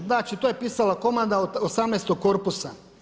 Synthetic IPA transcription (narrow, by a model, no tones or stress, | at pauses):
naːt͡ʃit̪ojepiːsalako̞mand̪aot̪osamnest̪oɡ̚koɾpusa